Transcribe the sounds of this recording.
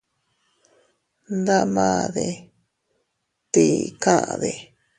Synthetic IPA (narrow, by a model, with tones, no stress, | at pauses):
nd̪a˦mãː˦ðe˧ | t̪i˧˨kã˦ʔã̰˧ðe˨